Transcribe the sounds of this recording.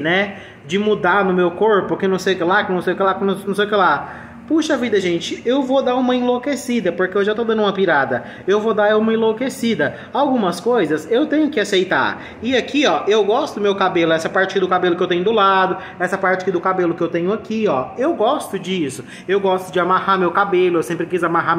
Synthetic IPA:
nɛ | d͡ʒɪmud̪anʊmewkoɾpʊkɪnɐ̃w̃sejʊkɪlakɪnɐ̃w̃sejʊkɪlakɪnnɐ̃sejʊkɪla | puʃɐavid̪ɐʒẽnt͡ʃɪewvod̪aɾũmɐẽlokesid̪ɐpoɾkeewʒat̪od̪ɐ̃nʊũmɐpiɾad̪ɐ | ewvod̪aɾũmɐẽlokesid̪ɐ | awɡũmɐskojzɐsewt̪ẽɲʊkɪasejt̪a̰ | ɪakʰiɔewɡɔst̪ʊd̪ʊmewkabelʊɛsɐpaɾt͡ʃɪakɪd̪ʊkabelʊkɪewt̪ẽɲʊd̪ʊlad̪ʊ | ɛsɐpaɾt͡ʃɪḁkɪd̪ʊkabelʊkɪewt̪ẽɲʊakiɔewɡɔst̪ʊd͡ʒɪisʊ | ewɡɔst̪ʊd͡ʒɪamahamewkabelʊewsẽmpɾɪkizʊamaɦam

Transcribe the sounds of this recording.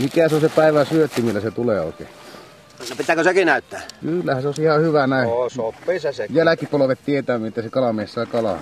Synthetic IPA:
mikæseonsepæˑiʋæsyøt̪ːimilːæset̪uleːo̰ˑekḛɑ̥ | nopit̪æːkøsekinæˑyt̪ːæ̰ːkylːæhæseoˑesihɑhyʋænæˑesopːisesejælækipoloʋet̪t̪iet̪æːmˑet̪ːæsekɑlɑmeˑːsːɑˑekɑlɑ̰

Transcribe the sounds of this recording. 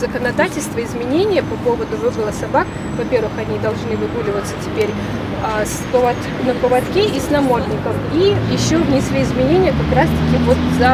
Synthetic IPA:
zəkənɐd̪atʲɪlʲst̪vəɪzmʲɪnʲenʲɪjəpɐpo̞vəd̪ʊvɨbəlˠəsɐbak | vɐpʲervɨxɐnʲid̪ɐlˠʐnɨvɨɡulʲɪvət̪sə̥tʲɪ̥pʲeɾʲ | aspəvɐt̪ | nəpəvɐt̪kʲeʔisnɐmot̪nʲɪkəmijɪɕːovnʲɪsvʲeɪzmʲɪnʲenʲɪjəkɐkɾast̪ɐkʲimvo̞t̪zɐ

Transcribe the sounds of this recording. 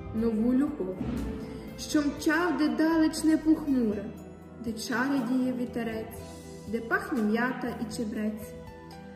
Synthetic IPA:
nɔʋulʲɔplˠɔ | ʃt͡ʃɔmt͡ʃɑwd̪ɛd̪ɑlˠɪt͡ʃnɛpuxnuɾɐ | d̪ɛt͡ʃɑɾʲed̪ʲijɛʋʲit̪ɐɾɛt͡sʲ | d̪ɛpɑxnʲɐmjɑt̪ɐʔit͡ʃebɾɛt͡sʲ

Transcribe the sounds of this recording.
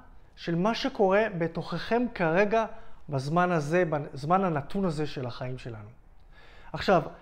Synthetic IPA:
ʃe̞lmaʃe̞ko̞ʁe̞be̞to̞χe̞χe̞mkaʁe̞ɡabazmanaze̞bazmananatʰunaze̞ʃe̞laχaimʃe̞lanu | aχʃav

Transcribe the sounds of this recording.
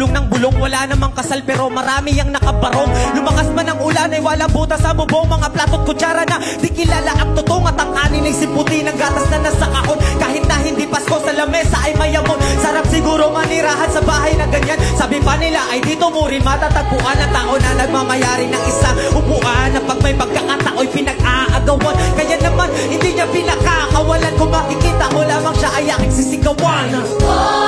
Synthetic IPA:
oŋnɐŋbʊloŋwɐlanɐmɐŋkɐsalpɛːɾo̞mɐɾaːmɪjɐŋnɐkɐbɐɾoŋlʊmɐkasmanɐŋʔʊlanɐjwalɐŋbuːt̪ɐsɐmʊboŋmɐŋaplaːt̪ot̪̚kʊt͡ʃaːɾɐnɐ | d̪ɪkɪlaːlaʔɐŋt̪ot̪oŋɐt̪ɐŋkaːnɪnɐjsɪpʊt̪ɪnɐŋɡaːt̪ɐsnɐnɐsɐkaʔonkaːɦɪt̪̚nɐɦɪnd̪ipɐsko̞sɐlɐmɛsɐʔɐjmɐjɐmonsɐɾapsɪɡuːɾo̞mɐniɾaːɦɐnsɐbaːɦɐjnɐɡɐɲansaːbɪpɐnɪlaʔɐjd̪iːt̪o̞muːɾɪnmɐt̪at̪ɐɡ̚pʊʔanːɐŋt̪aːʔo̞nɐnɐɡ̚mamɐjaːɾɪnɐŋʔɪsaʔʊbʊʔanːɐpɐɡ̚mɐjpɐɡ̚kakat̪aʔo̞jpɪnɐɡ̚ʔaʔɐɡɐwankɐjanɐmanhɪnd̪iɲapɪnɐɡ̚kakɐwɐlankʊŋmɐkɪkiːt̪ɐʔɐkolaːmɐŋʃaʔɐjaŋɪŋsɪsɪɡɐwan

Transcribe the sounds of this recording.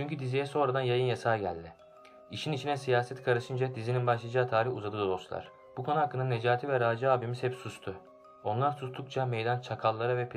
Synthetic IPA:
t͡ʃʰyɲcyd̪izijɛso̞nɾad̪anjajɯnjasaːɟæ̰lʲd̪ɪ | iʃinit͡ʃʰinɛsijaːsɛt̪kʰaɾɯʃɯnd͡ʒad̪izininbaʃlˠad͡ʒaːt̪ʰaːɾihuzad̪ɯd̪ooslˠa̰ɾ̥ | b̥ukʰo̞nuhakːɯnanːed͡ʒaːt̪ʰivɛɾaːd͡ʒaaːbimiz̥hɛpsust̪ʰʊ | o̞nlˠaɾsust̪ʰukt͡ʃʰamejd̪ant͡ʃʰakʰalˠːaɾavɛpʰ

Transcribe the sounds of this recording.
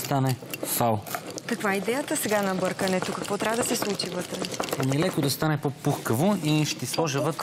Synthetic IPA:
st̪anɛsalˠkɐkvaid̪ɛjət̪əsɛɡanɐbɤɾkənɛt̪okɐkvɔt̪ɾʲavəd̪ɐsɛslˠut͡ʃivɤt̪ɾɛɛmiɛlɛkod̪ɐst̪anɛpopuxkəvoiʃt̪islˠɔʒɛvɤt̪

